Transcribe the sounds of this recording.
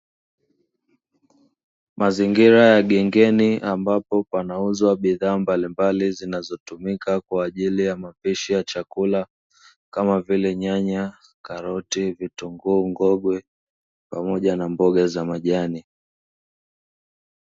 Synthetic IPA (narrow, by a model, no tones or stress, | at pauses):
maziŋɡiɾajaɠɛŋɡɛniʔambapɔpanauzwaɓiðaːmbalimbalizinazɔtumikakwaːʄilijamapiʃijat͡ʃakula | kamavilɛɲaɲa | kaɾɔtivituŋɡuŋɡɔɡwɛ | pamɔʄanambɔɠazamaʄani